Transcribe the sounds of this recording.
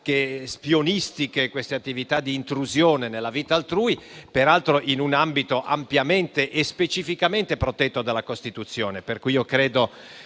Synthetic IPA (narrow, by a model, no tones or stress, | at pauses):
k̟espjonist̪ikekwest̪eat̪ːivit̪ad̪iːnt̪ɾuzjoːnenelːaviːt̪aːlt̪ɾuːipeɾalt̪ɾoʔinunambit̪oʔa̰mpjament̪eʔespet͡ʃifikament̪epɾot̪ɛt̪ːod̪alːakost̪it̪ut̪sːjoːneperkujiokɾeːd̪o